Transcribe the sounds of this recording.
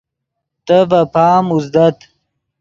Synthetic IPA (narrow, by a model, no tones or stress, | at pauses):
t̪əvɐpaːmuzd̪ɐt̪